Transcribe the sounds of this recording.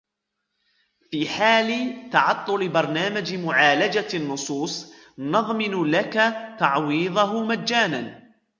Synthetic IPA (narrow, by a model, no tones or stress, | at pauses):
fiːħaːlɪt̪ɑʕɑt̪ˤːʊlɪbɑɾˤnaːmad͡ʒmʊʕaːlad͡ʒanːʊsˤuːsˤ | nɑðˤmɪnlakat̪ɑʕwiːðˤɑɦmaːaːnan